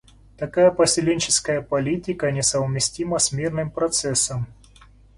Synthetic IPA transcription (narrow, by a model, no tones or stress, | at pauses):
t̪ɐkajəpəsʲɪlʲenʲt͡ɕɪskəjəpɐlʲitʲɪkənʲɪsəvmʲɪsʲtʲiməsʲmʲirnɨmpɾɐt̪sɛsːəm